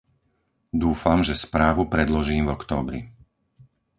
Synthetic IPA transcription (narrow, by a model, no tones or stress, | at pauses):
d̪uːfamʒɛspɾaːʋupɾɛd̪lɔʒiːmvɔkt̪ɔːbɾḭ